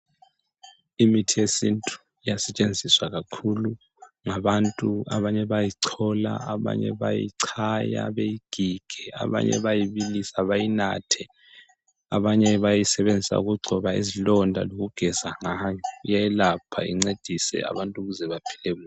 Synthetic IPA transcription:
imitʰijesintʼu̥ | ijasɛt͡ʃʼend͡zʱiswaɣakʰulu | ŋaβantʼua̰βaɲɛβajiǀʰɔla̰aβa̰ɲɛ̰βajḭǀʰaja̰βejiɡ̥ʱiɡ̥ʱɛa̰βa̰ɲɛ̰βajiβilisaβajina̰tʰɛ | aβaɲɛβajisɛβend͡zʱisa̰uɣuɡ͡ǀʱɔβaḭzilɔndʱa̰loɣuɡ̥ʱɛzaŋajɔjajɛlapʰa̰ḭŋ͡ǀed̥ʱisɛ̰a̰βantʼuɣuzɛβapʰi̥lemu

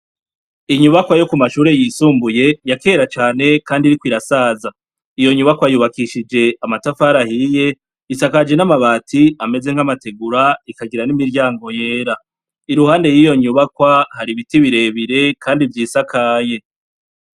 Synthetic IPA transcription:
iɲuβakwajo̞kumaʃuːɾe̞jisuːmbuje̞jake̞ːɾat͡ʃaːne̞kaːndiɾikwiɾasaːza | ijo̞ɲuβakwajuːβakiʃid͡ʒe̞amatafaɾahije̞ | isakaːd͡ʒe̞namaβaːtiame̞ze̞ŋ̥amate̞ɡuɾaikaɡiɾanimiɾɟaːŋɡo̞je̞ːɾa | iɾuhaːnde̞jiːjo̞ɲuβakwahaɾiβitiβiɾe̞βiɾe̞kʰaːndivjiːsakʰaːje̞

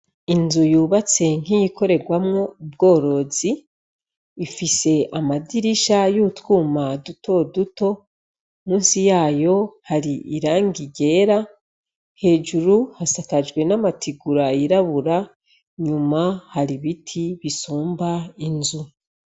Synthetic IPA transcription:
inzujuːβat͡se̞ŋ̥ijiko̞ɾe̞ɡwamŋo̞ub̚ɡo̞ːɾo̞zi | ifise̞ʔamadiɾiʃajutwuːmaduto̞duto̞ | muːnsijaːjo̞haɾiiɾaːŋɡiɟe̞ːɾa | he̞ːd͡ʒuɾuhasakad͡ʒɡwe̞namatʰiɡuɾaiɾaβuɾa | ɲumahaɾiβitʰiβisuːmbainzu

